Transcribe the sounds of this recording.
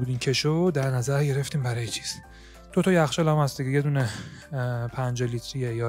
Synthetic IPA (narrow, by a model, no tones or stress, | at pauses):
uːd̪iːmcʰeʃod̪æɾnæzæɾɟe̞ɾe̞ft̪iːmbæɾɒːjet͡ʃʰi̥ːs | d̪̥ot̪ʰɒːjæxʃelæmhæstd̪iɡeje̞d̪uːne | pʰænd͡ʒelit̪ʰɾijejɒː